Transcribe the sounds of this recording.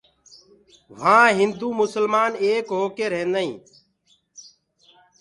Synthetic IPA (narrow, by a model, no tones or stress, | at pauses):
ʋ̤ãːɦɪnd̪uːmʊsəlmaːneːkɦoːkeːɾẽːnəḭ̃ː